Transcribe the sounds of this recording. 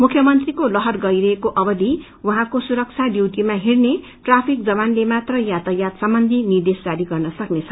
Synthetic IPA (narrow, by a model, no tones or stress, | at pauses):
mukʰjʌmʌnt̪rikolʌɦʌrɡʌiɾʌɦekoʔʌbʌd̪i | waɦãkosuɾʌk̚t͡sʰaɖjiwʈimaɦirne | ʈrapʰik̚d͡zʌβanlemat̪rʌjat̪ʌjat̪sʌmbʌnd̪ʱinird̪esd͡zaɾiɡʌrnʌsʌknet͡sʰʌ̥